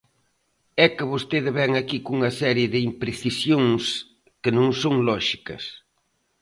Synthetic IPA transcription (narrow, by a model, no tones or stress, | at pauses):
ɛkɪβost̪eðɪβɛŋakikuŋɐsɛɾjɪðɪimpɾeθisjoŋs | kɪnõŋsoŋlɔʃikɐ̰s